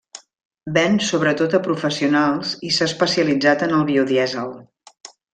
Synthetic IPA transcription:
bɛnsoβɾət̪ot̪əpɾufəsiunalˠzisaːspəsiəlid͡zat̪ənəlˠβiuðiɛzəlˠ

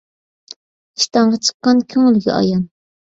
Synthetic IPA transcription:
iʃt̪ɑɴʁɑt͡ʃʰə̥qːɑnkʲʰyŋlɡʲɛ̰ʔɑ̰jɑn

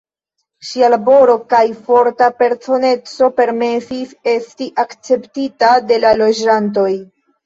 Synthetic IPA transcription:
ʃialabo̞ɾo̞kajfo̞ɾtape̞ɾt͡so̞ne̞t͡so̞pe̞ɾme̞sise̞stiʔakt͡se̞ptitade̞lalo̞d͡ʒant̬o̞j

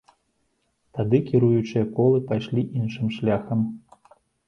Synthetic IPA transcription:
t̪ad̪ɨkʲiɾujut͡ʂɨjɐkɔlˠɨpajʂlʲiʔinʂɨmʂlʲaxɐm

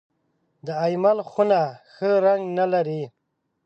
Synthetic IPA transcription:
d̪əajmalxunaxəɾaŋɡnalaɾi

